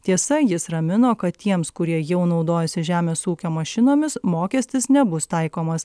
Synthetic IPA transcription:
t̪ʲiɛsɐjɪsɾɐmʲɪnoːkɐt̪t̪ʲiɛmskʊɾʲiɛjɛʊnɒʊd̪oːjɛsʲɪʒʲæːmʲeːsuːkʲoːmɐʃʲɪnoːmʲɪsmoːkʲɛsʲt̪ʲɪsnʲɛbʊst̪ɐɪkoːmɐs

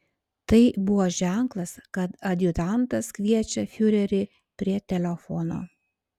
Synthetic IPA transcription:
t̪ɐɪbʊʋoːʒʲæˑŋklˠɐskɐt̪ɐd̪ʲjʊt̪ɑnt̪ɐskʋʲiɛt͡ʃʲɛfʲʊɾʲɛɾʲɪ | pʲɾʲiɛt̪ʲɛlʲɛfɔno̰ː

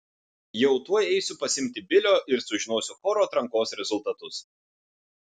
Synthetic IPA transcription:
jɛʊt̪uɔjɛɪsʲʊpɐsʲɪmʲt̪ʲɪbʲɪlʲoːʔɪɾsʊʒʲɪnoːsʲʊxɔːɾoːt̪ɾɐŋkoːsɾʲɛzʊlˠt̪ɐt̪ʊs

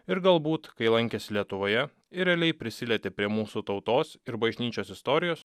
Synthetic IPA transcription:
ɪɾɡɐlˠbuːt̪kɐɪlˠɐŋʲkʲesʲlʲiɛt̪ʊʋoːjɛ | ɪɾʲɛlʲɛɪpʲɾʲɪsʲɪlʲɛt̪ʲepʲɾʲiɛmuːsut̪ɒʊt̪oːsɪɾbɐʒʲnʲiːt͡ʃʲoːsɪst̪ɔɾʲɪjoːs

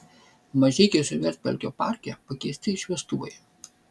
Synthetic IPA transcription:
mɐʒʲɛɪkʲɛsʲʊʋʲɛɾt̪̚ʲpʲɛ̰lʲkʲoːpɑˑɾʲkʲɛˑpɐkʲɛɪsʲt̪ʲɪʃʲʋʲiɛst̪ʊʋɐ̰ɪ

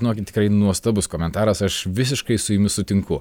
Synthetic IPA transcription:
ɪnoːkʲɪt̪ʲɪ̥kɾɐɪnuɔst̪ɐbʊskoːmʲɛnt̪ɑːɾɐsɐʃʋʲɪs̬ʲɪʃkɐɪsʊɪmʲɪsʊt̪ʲɪŋkʊ

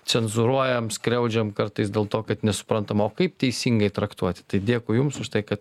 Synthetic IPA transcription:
t͡sʲɛnzʊɾuɔjɛmskɾʲɛʊd͡ʒʲɛmkɐɾt̪ɐɪsd̪ʲeːlˠt̪oːkɐt̪nʲɛsʊ̥pɾɐnt̪ɐmoːkɐɪp̚t̪ʲɛɪsʲiːŋɡɐɪt̪ɾɐkt̪uɔt̪ʲɪ̥t̪ɐɪdʲiɛkʊjʊmsʊʃt̪ɐɪkɐt̪̚

